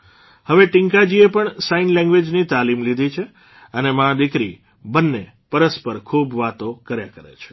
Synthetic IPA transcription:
həʋeʈĩŋkad͡ʒiepəɳsainlɛ̃ŋɡʋed͡ʒnit̪alimlid̪ʱit͡ʃʰe | ənemãd̪ɪkɾḭ | bənːe | pəɾəspəɾkʰubʋat̪okəɾjakəɾḛt͡ʃʰe̥

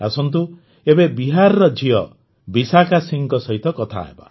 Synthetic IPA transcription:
asɔnt̪̬u | ebebiɦaɾɔɾɔd͡ʒijɔ | bisakasiŋkɔsɔɦit̪ɔkɔt̪ʰa̰ɦḛba̰

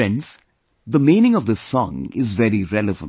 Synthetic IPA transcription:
ɛ̃ns | d̪əmĩːnɪ̃ŋɔvd̪əsɔ̰̃ŋɪ̰zʋɛɾiɾɛləvə̰̃n

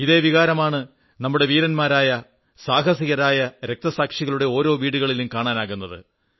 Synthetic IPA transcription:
iðe̞ːʋiɣaːɾɐmaːɳɨ | nɐmːuɽe̞ʋiːɾɐnmaːɾaːjɐ | saːɦɐsiɣɐɾaːjɐɾe̞k̚t̪ɐsaːkʂiɣɐɭuɽe̞o̞ːɾo̞ːʋiːɽuɣɐɭilumkaːɳaːnaːɣunːɐðɨ̰

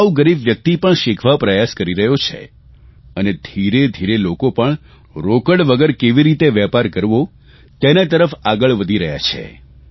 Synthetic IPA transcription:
auɡəɾibʋjək̚t̪ipəɳʃɪkʰʋapɾəjaskəɾiɾəɦjot͡ʃʰḛ | əned̪ʱiɾed̪ʱiɾelokopəɳ | ɾokəɽʋəɡəɾkeʋiɾit̪eʋɛpaɾkəɾʋo | t̪enat̪əɾəfaɡəɭʋəd̪ʱiɾəɦja̰t͡ʃʰḛ

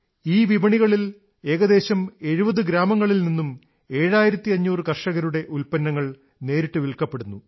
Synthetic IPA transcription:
iːʋibɐɳiɣɐɭil | e̞ːɣɐðe̞ːɕɐme̞ɻubɐðɨɡɾaːmɐŋːɐɭilninːum | e̞ːɻaːjiɾɐt̪ːiɐɲːuːrɨkɐrʂɐɣɐɾuɽe̞ʔulpɐnːɐŋːɐɭ | ne̞ːɾiʈːɨʋiɭkːɐpːe̞ɽunːu

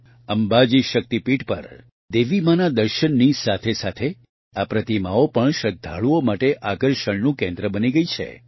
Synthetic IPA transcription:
əmbad͡ʒiʃək̚t̪ipiʈpə̰ɾ | d̪eʋimanad̪əɾʃənːisat̪ʰesat̪ʰe | apɾət̪imaopəɳʃəd̪ʱa̰ɭuomaʈeʔakəɾʃəɳnũkẽnd̪ɾəbəniɡəit͡ʃʰḛ

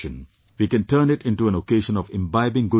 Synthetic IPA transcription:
ə̃n | ʋiːkɛ̃nʈəːnɪʈɪ̃nʈuæ̃nokeːʃə̃nɔʋɪ̃mbaɪbɪ̃ŋɡʊ

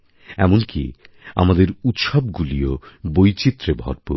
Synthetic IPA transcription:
ɛmonkḭa̰mad̪eɾut̪ʃɔbɡuliobojt͡ɕit̪ːɾebʱɔ̰ɾpo

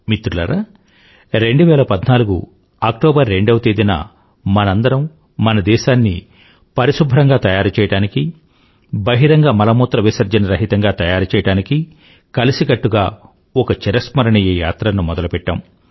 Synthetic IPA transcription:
mit̪ɾulɐ̰ɾa | ɾe̞ɳɖuʋɛːlɐpɐd̪naːluɡṵ | aːk̚ʈɔːbɐɾːe̞ɳɖɐʋɐt̪eːd̪inɐ̰ | mɐnɐnd̪ɐɾɐm | mɐnɐd̪ɛːʃaːnːi | pɐɾisubʱɐɾɐŋɡaːt̪ɐjaːɾut͡ʃɛːjɐɽaːniki | bɐɦiɾɐŋɡaːmɐlɐmɔːt̪ɾɐʋisɐɾd͡ʒɐnɐɾɐɦit̪ɐŋɡaːt̪ɐjaːɾut͡ʃɛːjɐɽaːniki | kɐlisiɡɐʈːuɡaː | ɔkɐt͡ʃɛɾɐsmɐɾɐɳɐjɐja̰ːt̪ɾɐnumɔd̪ɐlupɛʈːɐ̰m

